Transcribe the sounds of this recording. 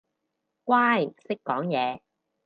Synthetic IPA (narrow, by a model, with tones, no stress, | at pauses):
kwaː˥jm̩˨˩sɪ˥kːɔː˨˥ŋjɛː˨˧